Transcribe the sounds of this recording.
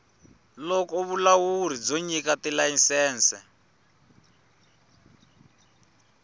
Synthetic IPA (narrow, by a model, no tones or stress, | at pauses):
lɔkɔβulawuɾ̤id͡zoɲikatilainsɛːnsɛ